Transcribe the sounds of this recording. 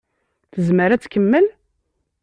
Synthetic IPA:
θəzməɾæt͡sːkəmːəl

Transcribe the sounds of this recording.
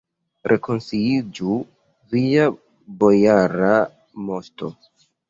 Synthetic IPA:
ɾʔe̞ko̞nsiid͡ʒu | via | bo̞jaɾa | mo̞sto̞

